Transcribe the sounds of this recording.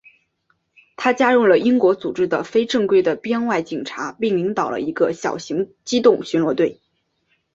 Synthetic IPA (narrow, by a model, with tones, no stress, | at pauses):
t̪ʰa˥t͡ɕja˥ɻu˥˩lə˩i˥ŋkwɔ˧˥t͡su˨˩ʈ͡ʂɻ̩˥d̪ə˨fe˥ɪʈ͡ʂɤ˥˧ŋkwe˥ɪd̪ə˨˩pjɛ˥ŋwa˥˩ɪt͡ɕi˨˩ŋʈ͡ʂʰa˧˥pi˥˩ŋli˧˥ŋt̪ɑ˨˩ʊlə̰˦i˧˥ɡə˧ɕjɑ̰˨˩ʊɕi˧˥ŋt͡ɕi˥t̪ʊ˥˩ŋɕy˧˥nlwɔ˧˥t̪we˥˩ɪ